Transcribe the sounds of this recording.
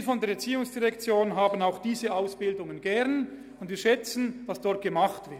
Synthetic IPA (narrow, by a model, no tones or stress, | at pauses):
fɔndeːɐɛɐt͡siːʊŋsd̥iʁɛkt͡sjoːnɦaːbən̩aʊxd̥iːzəʔaʊsb̥ɪldʊŋənɡɛʁn | ʊntviːɐʃɛt͡sən̩d̥asd̥ɔɐt̚ɡ̥əmaχtv̥ɪ